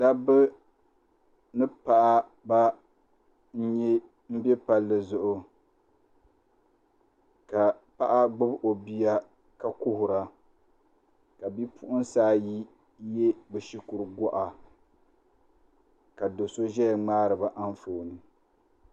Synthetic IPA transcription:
da˦bɨ˦ | nɨ˦pa˦˨ʔa˦ | ba˦ | n̩˦ɲɛ˦ | m̩˦bɛ˦pa˦lːɨ˨zʊ˨ʔʊ˦ | ka˨pa˦ʔa˦ɡ͡bʊ˦bʔo˨bi˦a˦ | ka˦kʊ˦hʊ˨ɾa˨ | ka˨bi˦pʊ˦ʔʊ˦nsaː˦ji˦ | je˦bɛ˨ʃi˦kʊ˨ɾɡɔ˦ʔa˨ | ka˨do˨so˦ʒɛ˦˨ŋ͡maː˦ɾɨ˨ba˦ʔa˦nfo˨nɨ˨

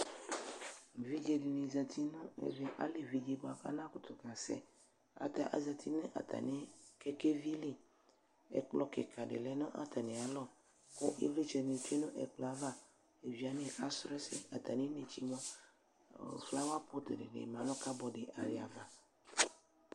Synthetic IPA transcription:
vi˦d͡ʒe˨de˨ne˨za˨t̪i˦nʊ̃˦ḛ˨ve˨ʔa̰˦le˨vi˨d͡ʒe˨bo˨a˨ka̰˦nã˦ko˨˦t̪o˨ka˨sɛ̰˦ | a̰˨t̪a˦˨ʔa̰˨za˨t̪ʰi˦nẽ˦ʔa̰˨t̪ʰa̰˨ne˦ke˦ke˦vi˦li˦˨ | ḛ˨k͡plɔ˦kḛ˨kʰa˨ɖḛ˨le˦nɔ̃˦ʔa̰˦t̪a˨nẽ˨a˨˦lɔ˦˨ | ko˦ʔe˦vle˦t͡ʃɛ˨ne˨t̪e˦nʊ̃˦ʔḛ˨k͡plɔ˨a˦va˦ | e˨vi˨a˨nẽ˦˨ka˦sɾɛ˦sḛ˦a˨t̪a˨nẽ˦ne˨t͡ʃi˦mɔ̃˦˨ | fla˦wa˦po˦t̪dḛ˨nḛ˨mã˨nɔ̃˦ka˦bɔ˨ɖe˨ʔa̰˨ɾi˦˨a˨va˨

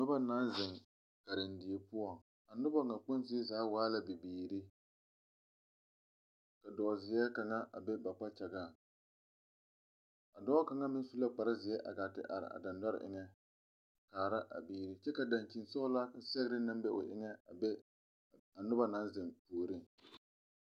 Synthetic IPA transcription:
nʊ˦ba˦na˨˦nzɪ˨ŋ | ka˨ɾɪ˨ndɪ˨e˨pʊ˦ɔ˨ŋ | a˨nʊ˦ba˦ŋa˨k͡pʊ˦nzɪ˦e˦zaː˨˦waː˨˦la˦bi˨biː˨ɾi˦ | ka˨dɔː˨zɪ˨jɛ˦ka˨ŋa˦ʔa̰˨bɛ˦ba˨k͡pa˦t͡ʃa˨ɡaː˦˨ | a˨dɔː˦ka˨ŋa˦mɪ˦n˦su˦la˦k͡pa˨ɾa˦zɪ˨ɛ˦ʔa̰˨ɡa˨tɪ̰˨ʔa̰˨ɾɪ̰˨a̰˨da˨nda˦ɾɪ̰˨ʔɪ̰˨ŋɛ˦ | kaː˨ɾa˦ʔa̰˨biː˦ɾi˦t͡ʃɛ˦ka˨da˨nt͡ʃi˨nsɔ˦ʊ˦la˦ka˨sɛ˦ɣɾɪ˦na˦mbɛ˦ʔʊ˨ʔɪ̰˦ŋɛ˦˨ɛ˦ | a˨nʊ˦ba˦na˦n˦zɪ˨ŋtoː˨ɾɨ˦ŋ

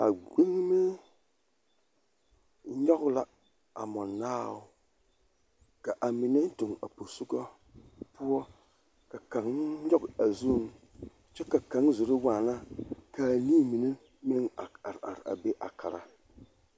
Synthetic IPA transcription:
a˨ɡ͡be˦ŋme˦ | ɲɔ˦ɣʊ˦la˨ | a̰˨mɔ˨nːaː˦ʊ˦˨ | ka˨ʔa˨mi˨ne˦n˦tʊ˨ŋa̰˨po˨su˦ɡa˦ | pʊ˦ɔ˦ | ka˨ka˨ŋ˦ɲɔ˦ɡa˨zu˦˨ŋ | t͡ʃɛ˦ka˨ka˨˦ŋzʊ˨ɾɪ˦waː˨na˦ka˨liː˦mi˨ne˦ | me˦ŋa˨a˨ɾa̰˨ɾa̰˨be˦ʔa˨kʰa˨ɾa̰˦

